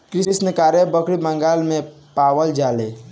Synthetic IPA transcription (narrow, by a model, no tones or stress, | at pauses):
kɾisnəkaɾebəkɽiməŋɡalme | pawəld͡ʒale